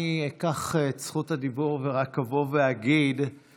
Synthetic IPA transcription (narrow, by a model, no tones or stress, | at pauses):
iekaχet͡sχuthadibuʁveʁakavoveaɡid̪